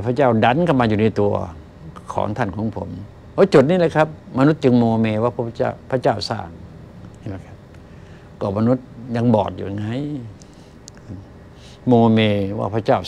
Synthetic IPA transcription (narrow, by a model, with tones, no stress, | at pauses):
pʰa˧˩t͡ɕaː˧˥˩wda˨˦˨nkʰa˧˩maː˧juː˨˩na˧˩jt̪u˧ɐ | kʰɔ̰ː˨˩˦ŋt̪ʰa˧˥˩nkʰɔː˨˦ŋpʰo˨˩˦m | ʔoː˧˦˥t͡ɕu˨˩t̪̚niː˧˥˩laː˧˦jkʰa˦˥p̚ma˧nu˦˥t̪̚t͡ɕɯ˧ŋmoː˧meː˧waː˧˩pʰːt͡ɕa̰˧˩pʰa˧˥t͡ɕaː˥˩wsa̰ː˧˩ŋ | ha˧˩ma˦˧˩kʰa˦p̚ | kɔː˧˩ma˧nu˦˥t̪̚ɲa˧ŋbɔ̰ː˨˩t̪̚jṵ˨˧˩ŋa˧˥˨j | moː˧meː˧wa̰ː˧˩pʰa˧˩t͡ɕaː˥˩w